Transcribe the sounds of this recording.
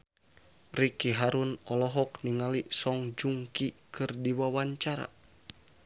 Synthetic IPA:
rikiɦaɾunɔlɔɦɔkniŋalisɔŋd͡ʒuŋkikɨrdiwawaɲt͡ʃaɾa̰

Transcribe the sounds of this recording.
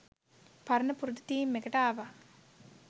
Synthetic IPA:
pɐɾɐnɐpuɾud̪ɐt̪iːmːekɐʈaːʋa

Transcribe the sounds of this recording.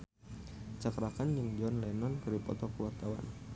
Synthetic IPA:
t͡ʃakɾakanjɨŋd͡ʒɔnlɛnɔnkɨripɔ̰t̪ɔkuwart̪awa̰n

